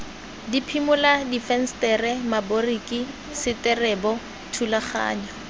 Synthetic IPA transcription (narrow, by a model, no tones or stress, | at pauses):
dipʰimʊladifɛn̩stɛrɛmaboriki | sɪtɛrɛbɔ | tʰulaχa̰ːɲɔ